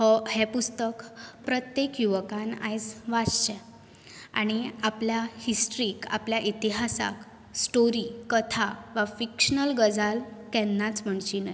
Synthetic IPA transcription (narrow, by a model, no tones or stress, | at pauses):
hɔhɛpust̪əkpɾət̪jekjuʋəkãna̰jt͡sʋad͡zt͡ɕɛ̃ | a̰ɽ̃iapljahisʈɾiːka̰pljaʔit̪iɦasa̰k | sʈoɾikət̪ʰaʋafikʂənəlɡəd͡zʱalkɛ̃nːat͡sm̤əɳt͡ɕinə